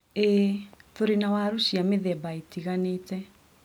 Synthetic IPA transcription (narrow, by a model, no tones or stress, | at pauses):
etoɾinawaɾusiameðɛbaetiɣanetɛ